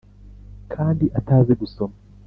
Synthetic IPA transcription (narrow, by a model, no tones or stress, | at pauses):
kʰaːndiʔataːzeɡusoma